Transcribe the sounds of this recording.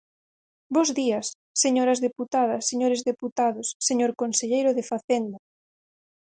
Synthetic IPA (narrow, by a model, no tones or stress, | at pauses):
bozðiɐsː | eɲoɾɐzðeput̪aðɐsːeɲoɾezðeput̪aðʊsːeɲoɾkonseʎejɾʊðefaθend̪ɐ